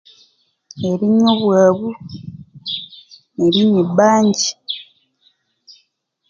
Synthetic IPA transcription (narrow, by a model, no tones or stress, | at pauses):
eɾiɲoβwaːβu | eɾiɲibaːɲɟi̥